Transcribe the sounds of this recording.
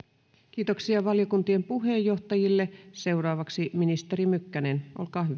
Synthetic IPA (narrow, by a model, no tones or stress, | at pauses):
k̟iːt̪oksiɑʋɑljokunt̪iempuɦe̞jːo̞ht̪ɑjilːese̞wrɑːʋɑksiminist̪eɾimykːænenʔo̰lkɑːɦy